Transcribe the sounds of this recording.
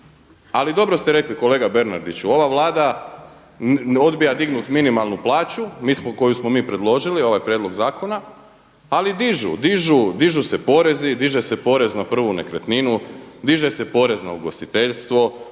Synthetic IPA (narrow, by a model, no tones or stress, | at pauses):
alid̪o̞bɾost̪eɾe̞kliko̞le̞ːɡabeɾnaɾd̪it͡ɕuo̞ʋaʋlˠaːd̪a | o̞d̪bijad̪iɡnut̪minimalˠnuplaːt͡ɕumiːsmoko̞jusmomiːpɾe̞d̪lˠo̞ʒilio̞ʋajpɾjed̪lo̞ɡzaːko̞na | alid̪iʒṵd̪iʒud̪iʒuse̞po̞ːɾe̞zid̪iʒese̞po̞ɾe̞znapr̩ʋunekɾet̪ninud̪iʒe̞se̞po̞ɾe̞znauɡo̞st̪it̪eʎst̪ʋo̞